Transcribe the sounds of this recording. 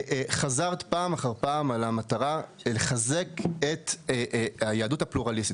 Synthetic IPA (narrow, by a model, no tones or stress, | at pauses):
χazaʁt̪paːmaχaʁpaːmalamat̪aʁaleχaze̞ket̪ | hajeaduthapluʁalist̪it